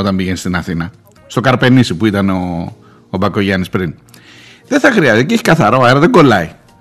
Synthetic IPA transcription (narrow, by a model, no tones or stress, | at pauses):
o̞t̪ɐmbiʝenist̪inɐθinɐ | st̪o̞kɐɾpe̞nisipuit̪ɐnoː | bɐko̞ʝɐnispɾin | ðeθɐxɾiɐsiceeçi̥kɐθɐɾo̞eɾɐðeŋɡo̞lɐi